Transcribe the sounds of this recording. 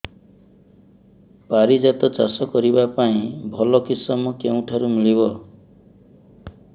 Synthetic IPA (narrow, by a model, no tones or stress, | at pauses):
paɾid͡ʒat̪ɔt͡ʃa̰sɔkɔɾibapaĩbʱɔlɔkisɔmɔkeũʈʰaɾumiɭiβɔ